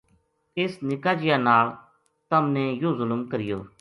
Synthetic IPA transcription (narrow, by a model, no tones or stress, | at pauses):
ɪsnɪkaːd͡ʒɪjaːnaːl | t̪əmnẽːjoːzʊlmkəɾɪjoː